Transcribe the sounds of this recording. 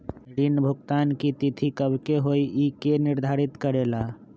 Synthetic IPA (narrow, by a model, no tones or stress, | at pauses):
ɾinəbʱəɡ̚t̪ankit̪it̪ʰikəbkeɦoiikeniɾd̪ʱaɾit̪kəɾela